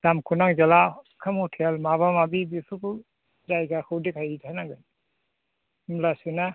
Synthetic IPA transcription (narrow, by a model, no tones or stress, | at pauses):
d̥amkʰunaŋzala | kʰamhɔtʰelmaβamabibipʰuku | zajɡahɯwdikʰajitʰanaŋɡɯn | mlasɯna